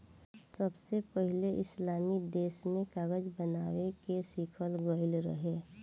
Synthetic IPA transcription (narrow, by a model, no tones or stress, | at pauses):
səbsepəɦɪleʔɪslaːmid̪eːsmẽkaːɣəd͡ʒbənaːwekesiːkʰəlɡəɪlɾə̰ɦe